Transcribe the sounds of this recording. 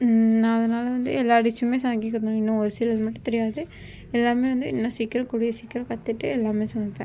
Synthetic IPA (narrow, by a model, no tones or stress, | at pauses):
nãːɐðɐnaːlɐʋɐnd̪ɯ̰ɛlːaːɐɽɪt͡ʃːɯmeːsaːŋɡɪkːɐnõɪnːʊ̃ɔɾɯsilɐðɯmɐʈːɯ̃t̪ɛɾɪjaːðɯ | ɛlːaːmeːʋɐnd̪ɯɪnːɐ̃siːkːɪɾɐ̃kuɽɪjɐsikːɪɾɐ̃kɐt̪ːɪʈːɯɛlːaːmeːsɐmɐpːẽ